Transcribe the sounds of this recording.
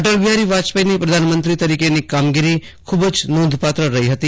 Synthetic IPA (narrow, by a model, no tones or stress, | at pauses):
ʈəɾʋiaɾiʋat͡ʃpəinipɾəd̪ʱanmə̃nt̪ɾit̪əɾikenikamɡiɾi | kʰubd͡ʒnõnd̪ʱpat̪ɾəɾəɦiɦət̪i